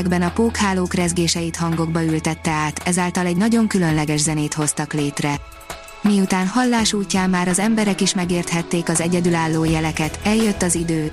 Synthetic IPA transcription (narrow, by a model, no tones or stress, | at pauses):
ɡbɛnɒpoːkhaːloːkrɛzɡeːʃɛjit̪ɦɒŋɡo̞ɡ̚bɒylt̪ɛt̪ːɛaːt̪ɛzaːlt̪ɒlɛɟnɒɟo̞ŋkylø̞nlɛɡɛʒzɛneːt̪ho̞st̪ɒkleːt̪rɛ | miut̪aːnhɒlːaːʃuːcːaːmːaːɾɒzɛmbɛɾɛkiʃmɛɡeːrt̪hɛt̪ːeːkɒzɛɟɛd̪ylaːlːoːjɛlɛkɛt̪ɛljøt̪ːɒzid̪øː